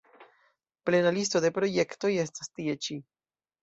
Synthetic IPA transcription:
ple̞nalisto̞de̞pɾo̞je̞kto̞je̞stastie̞t͡ʃi

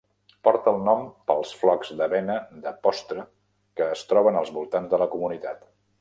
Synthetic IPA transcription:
pɔɾt̪əːlˠnɔmpəlˠsflɔkzd̪əβɛnəðəpɔst̪ɾə | kəːst̪ɾɔβənəlˠzβulˠt̪anzðələkumunit̪at̪

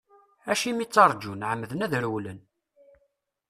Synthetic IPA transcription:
æʃimit͡sːɑɾˤd͡ʒunʕəmːəðənæðɾwlən

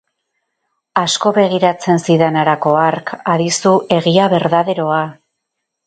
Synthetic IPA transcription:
asko̞βe̞ɣ̞iɾat͡se̞nsiðanaɾako̞aɾkaɾisuʔe̞ɣiaβe̞ɾðaðe̞ɾo̞a

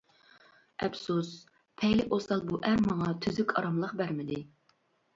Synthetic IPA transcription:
ɛpsus | pʰɛjlɪʔosɑlˠbuʔæɾmɑŋɑt̪ʰyzykʲʰɑ̰ɾɑmlˠəqbæɾmɪd̪ɪ

